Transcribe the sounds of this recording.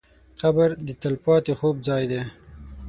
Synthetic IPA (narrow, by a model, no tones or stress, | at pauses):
qabəɾd̪ət̪əlpɑt̪exob̚zɑjd̪e